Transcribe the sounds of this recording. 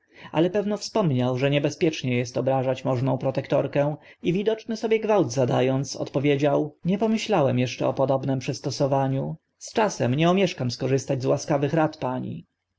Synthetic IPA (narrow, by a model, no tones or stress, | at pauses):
a̰lɛpɛvnɔfspɔmɲawʐɛɲɛbɛspʲjɛt͡ʂɲɛjɛst̪ɔbɾaʐat͡ɕmɔʐnɔ̃w̃pɾɔt̪ɛkt̪ɔɾkɛ̃ivʲid̪ɔt͡ʂnɘsɔbʲjɛɡvawd̪zad̪ajɔnt̪sɔ̰t̪pɔvʲjed͡ʑawɲɛpɔmɘɕlawɛmjɛʂt͡ʂɛɔpɔd̪ɔbnɛmpʂɛst̪ɔsɔvaɲu | st͡ʂasɛmɲɛumʲjɛʂkamskɔʐɘst̪ad͡ʑzwaskavɘxɾat̪paɲḭ